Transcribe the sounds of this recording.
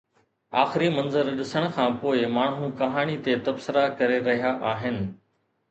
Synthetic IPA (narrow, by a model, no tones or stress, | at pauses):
aːxɪɾimɐ̃nzəɾɗɪsəɽ̃ʊ̆kʰãːpoːɪmaːɳ̤ũkɐɦaːɽ̃it̪et̪ɐbsɪɾakɐɾeɾɐɦijaʔaːɦɪnɪ̆